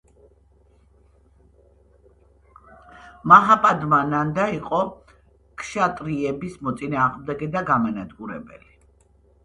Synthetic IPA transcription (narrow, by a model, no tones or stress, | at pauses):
maɦapʼad̪manand̪aiqʼɔ | kʰʃat̪ʼɾiɛbismɔt̪sʼinaːʁmd̪ɛɡɛd̪aɡamanad̪ɡuɾɛ̰bɛ̰li